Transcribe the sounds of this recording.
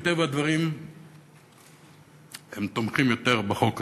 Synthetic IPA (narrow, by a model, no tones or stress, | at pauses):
t̪evad̪vaʁim | emt̪omχimjot̪eʁbeχo̞k